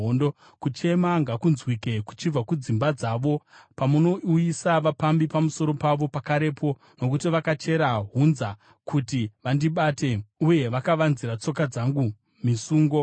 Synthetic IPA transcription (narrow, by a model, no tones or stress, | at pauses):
ondo | kut͡ʃe̞maŋɡakunzwike̞ku̥t͡ʃib͡vakud͡zimbad͡zaːʋo̞pamuno̞ujisaʋapambipamuso̞ɾo̞paʋo̞pakaɾe̞pʰo̞ | no̞kutiʋakat͡ʃe̞ɾaɦunza | kutiʋandiɓateuje̞ʋakaʋanziɾat͡so̞kad͡zaŋɡu | misuːŋɡo̞